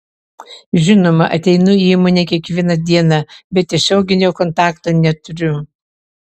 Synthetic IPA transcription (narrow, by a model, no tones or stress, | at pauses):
ʒʲɪnoːmɐʔɐt̪ʲɛɪnʊiːmɔnʲeːkʲiɛkʋʲiɛnɐd̪ʲiɛnɑbʲɛt̪ʲːɪʃʲɛʊɡʲɪnʲoːkɔnt̪ɑːkt̪oːnʲɛt̪ʊɾʲʊ